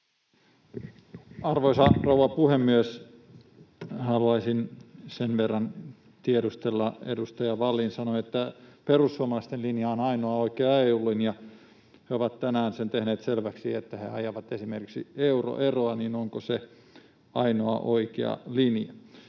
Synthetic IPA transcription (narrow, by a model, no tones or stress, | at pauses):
ɑrʋoisɑrouʋɑpuhemːyøs | hɑluɑisinsenʋerːɑn | t̪iedust̪elːɑḛdust̪ɑjɑʋɑlːinsɑnoet̪ːæperusːuɑmɑlɑist̪elinjɑonɑinoɑoikeɑeulːinjɑ | heoʋɑt̪t̪ænæːnsent̪ehneːt̪selʋæksiet̪ːæhḛɑjɑʋɑt̪esimerki̥ksḭeuro̰ʔeroɑniːnoŋkose | ɑinoɑʔoikḛɑ̰linjɑ